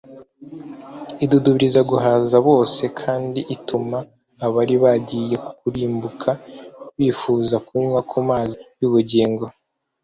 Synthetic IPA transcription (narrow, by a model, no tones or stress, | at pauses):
iduduβiɾizaɡuɦaːzaβo̞ːse̞kʰaːndiʔitumaː | βaɾiβaɟije̞ku̥kuɾiːmbukʰaβiːfuːzakuɲwakʰumaːziβjuβuɟiːŋɡo̞